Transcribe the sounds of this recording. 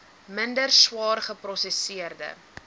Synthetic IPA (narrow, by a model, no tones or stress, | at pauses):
məndərswɑːrχəprɔsesiərdə̰